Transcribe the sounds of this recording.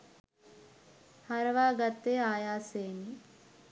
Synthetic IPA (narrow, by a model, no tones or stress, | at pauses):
hɐɾɐʋaːɡɐt̪ːeːaːjaːseːni